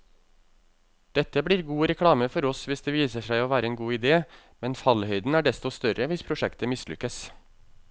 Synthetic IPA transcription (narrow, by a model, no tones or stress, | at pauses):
d̪̥ɛt̪ːəbɽiːɾɡuːɾɛkʰɽɑːməfɔɾɔsʋɪsd̪eːʋiːsəʂæɪoːʋæːɾəeːnɡuːɪd̪eː | mɛnfɑlhœʏd̪n̩æːɖɛst̪ɔst̪œɾəʋɪspʰɾʊʂɛkt̪əmɪslʏ̰kːəs